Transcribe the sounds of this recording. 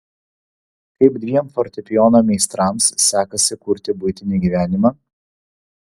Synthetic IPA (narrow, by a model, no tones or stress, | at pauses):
kɐɪb̚d̪ʲʋʲiɛmfɔɾʲt̪ʲɛpʲɪjɔːnomʲɛɪst̪ɾɑˑmsːʲæːkɐsʲɪkʊɾʲt̪ʲɪbʊɪt̪ʲɪnʲiːɡʲiːʋʲæːnʲɪmɑː